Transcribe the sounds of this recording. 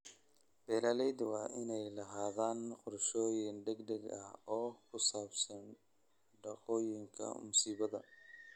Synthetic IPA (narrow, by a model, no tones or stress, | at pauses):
b̥ɛːlaːlɛjd̪wɑːʔɪnɛjlɐɦaːðaːnqʊrʃɔːjɪnɖɛɡd̪ɛɡɐ̰hɔːkʰʊsaːbsɐn | ɖɑqɔːjɪŋkʰɐ̰mʊsiːβɐðɐ